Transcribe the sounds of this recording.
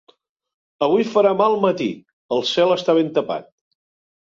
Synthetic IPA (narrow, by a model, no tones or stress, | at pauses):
əβ̞ujfəɾamalˠmət̪ḭ | əlˠsɛlˠəst̪aβent̪əpa̰t̪̚